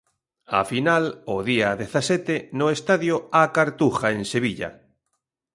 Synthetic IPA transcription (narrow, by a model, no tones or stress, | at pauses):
a̰finaloðiaðeθasɛt̪enʊest̪aðjoakaɾt̪uxaẽnseβiʎa̰